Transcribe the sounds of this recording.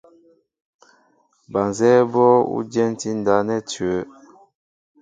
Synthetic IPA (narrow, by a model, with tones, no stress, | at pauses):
ba˨nzɛ˦bɔ˦ṵ˦dɛ˦n˦ti˦n˨da˨˦nɛ˦tɥə˨˦